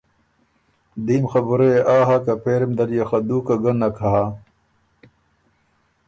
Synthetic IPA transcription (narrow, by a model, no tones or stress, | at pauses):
d̪iːmxɐbuɾeʔaːɦakɐpeːɾemd̪ɐɾjɐxɐd̪uːkɐɡɐnːɐkʰɐɦaː